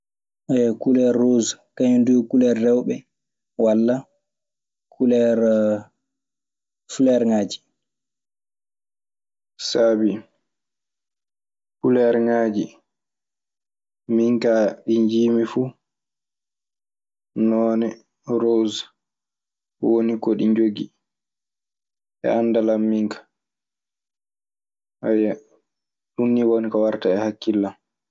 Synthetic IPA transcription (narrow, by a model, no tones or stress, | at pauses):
ʔɛkulɛɾːozkaɲndukulɛɾdɛwɓɛ | walːa | kʰulɛɾ | flɛɾŋaːd͡ʒi̥ | sabi | kulɛɾŋaːd͡ʒi | miŋkaɗiɲd͡ʒiːmifu | nɔːnɛ | ɾoz | wonikoɗiɲd͡ʒoɡi | ʔɛ̰anːdalamːiŋkḁ | aja | ɗunːiwonikɔwaɾtaɛhakːilːam